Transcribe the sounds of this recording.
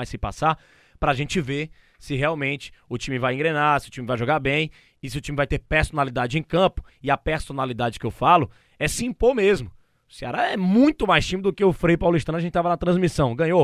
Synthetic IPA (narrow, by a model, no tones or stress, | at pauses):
ajsɪpa̰sa | pɾɐaʒẽt͡ʃɪveɾ | sɪɦeawmẽnt͡ʃɪ̥ʊt͡ʃĩmɪvajẽɡɾenasɪʊt͡ʃĩmɪvajʒoɡaɾbẽj̃ | ɪsɪʊt͡ʃĩmɪvajt̪eɾpeɾsonalid̪ad͡ʒɪẽj̃kɐ̃pʊ̥ɪɐpeɾsonalid̪ad͡ʒɪkɪewfalʊ | ɛsĩpomezmʊ | ʊsiaɾɐɛmũj̃t̪ʊmajst͡ʃĩmɪd̪ʊkeʊfɾejpawlʊiʃt̪ɐ̃w̪̃ɐʒẽtt͡ʃɪt̪avɐnɐt̪ɾɐ̃zmisɐ̃w̃ɡɐ̃ɲo